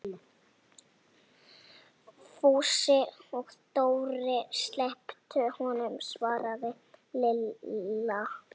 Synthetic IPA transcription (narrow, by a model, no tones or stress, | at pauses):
fuːsɪɔɣst̪oːwɾɪst̪lɛhpt̪ʏhɔnʏmsvaːɾaðɪ | lɪl | a